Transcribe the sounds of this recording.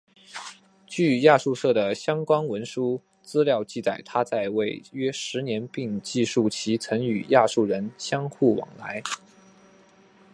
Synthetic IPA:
t͡ɕy˥˩ja˥˧ʂu˥˧ʂɤ˥˩d̪ə˩ɕjɑ˥ŋkwɑ˥ŋwə˧˥nʂu˥ | t͡sɹ̩˥ljɑ˥˧ʊt͡ɕi˥˩t͡sa˨˩ɪt̪ʰa˥t͡sa˥˧ɪwe˥˩ɪɥɛ˥ʂɻ̩˧˥njɛ˧˥npi˥˧ŋt͡ɕi˥˧ʂu˥˩t͡ɕʰi˧˥t͡sʰɤ˧˥ŋy˨˩ja˥˧ʂu˥˩ɻə˧˥nɕjɑ˥ŋxu˥˩wɑ̰˨˩ŋla˧˥ɪ

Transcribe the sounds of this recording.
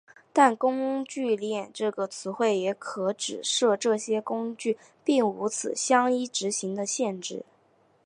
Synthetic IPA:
t̪a˥˩nkʊ˥ŋt͡ɕy˥˧ljɛ˥˧nʈ͡ʂɤ˥˩ɡə˩t͡sʰɹ̩˧˥xwe˥˩ɪjɛ˧˥kʰɤ˧˥ʈ͡ʂɻ̩˨˩ʂɤ˥˧ʈ͡ʂɤ˥˩ɕjɛ˥kʊ˥ŋt͡ɕy˥˩ | pi˥˩ŋu˧˥t͡sʰɹ̩˨˩ɕjɑ˥ŋi˥ʈ͡ʂɻ̩˧˥ɕi˧˥ŋd̪ə˧ɕjɛ˥˧nʈ͡ʂɻ̩˥˩

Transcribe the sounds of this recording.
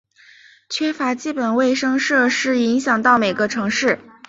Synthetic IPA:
t͡ɕʰɥɛ˥fa˧˥t͡ɕi˥˩pə˨˩nwe˥˧ɪʂɤ˥ŋʂɤ˥˧ʂɻ̩˥˩i˧˥ŋɕjɑ˨˩ŋt̪ɑ˥˩ʊme˨˩ɪɡə˧˦ʈ͡ʂʰɤ˧˥ŋʂɻ̩˥˩

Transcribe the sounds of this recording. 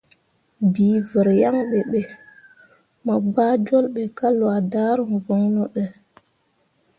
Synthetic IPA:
diː˨və˨ɾja˦ŋɓe˨ɓe˨ | ma˨ɡ͡baː˦d͡ʒo˦lɓe˨ka˦lwa˨da˦ɾə˨ŋvo˨˦ŋnɔ˨ɗɛ˨

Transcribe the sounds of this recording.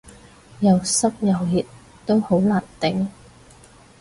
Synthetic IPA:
jɐ˨wsɐ˥p̚jɐ˨wji˨t̚ | t̪o˥who˨˥wlaː˨˩nt̪ɪ˨˥ŋ

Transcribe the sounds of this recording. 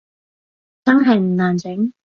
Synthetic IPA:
t͡sɐ˥nɦɐ˨˩jm̩˨˩naː˨˩nt͡sɪ˨˥ŋ

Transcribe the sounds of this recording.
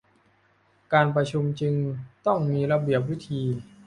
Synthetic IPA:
kaː˧npɾa˧t͡ɕʰu˧mt͡ɕɯ˧ŋt̪ɔ˥˩ŋmiː˧ɾa˧bi˨˩əp̬̚wi˦˥t̪ʰiː˧

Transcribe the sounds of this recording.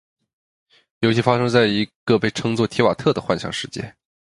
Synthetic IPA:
jo˧˥ʊɕʰi˥˩fa˥ʂɤ˥ŋt͡sa˥˩ɪi˧˥ɡ̥ə˧pe˥˩ɪʈ͡ʂʰɤ˥ŋt͡swɔ˥˩t̪ʰjɛ˧˥wa̰˨˩t̪ʰɤ˥˩d̪ə˩xwa˥˩nɕjɑ̰˥˩ŋʂɻ̩˥˧t͡ɕjɛ̰˥˩

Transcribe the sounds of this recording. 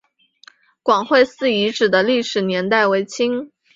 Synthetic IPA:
kwɑ˨˩ŋxwe˥˧ɪsɹ̩˥˩i˧˥ʈ͡ʂɻ̩˨˩d̪ə˦li˥˩ʂɻ̩˨˩njɛ˧˥nt̪a˥˩ɪwe˧˥ɪt͡ɕʰi˥ŋ

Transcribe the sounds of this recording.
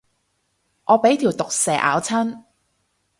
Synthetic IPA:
ʔɔː˨˧pe˨˥jt̪ʰiː˨˩wt̪ʊ˨k̚sɛː˨ʔa̰ː˨˧˥wt͡sʰɐ˥n

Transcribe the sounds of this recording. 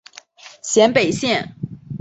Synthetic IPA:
ɕjɛ˧˥npe˨˩ɪɕjɛ˥˨n

